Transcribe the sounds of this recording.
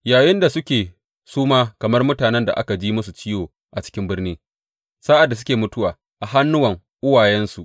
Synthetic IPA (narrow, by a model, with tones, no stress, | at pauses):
jaː˨jɪ˦nda˨sʊ˦kʲeː˨ | suː˦maː˦kɐ˨mɐ˦rmʊ˦taː˨nɛ˦nda̰˨ʔa̰˦ka˨d͡ʒiː˦mʊ˦su˨t͡ʃɪ˦joː˨ | ʔa˨t͡ʃɪ̥˦kʲɪ˦mbɪ˦rniː˦ | saː˦ʔa˨dːa˨s̬ʊ˦kʲeː˨mʊ˦tʊ˦waː˨ | ʔa˨ɦa˦nːʊ˦wɐ˨ŋ | ʔʊ˦wa˨jɛ˦nsu˨ʔ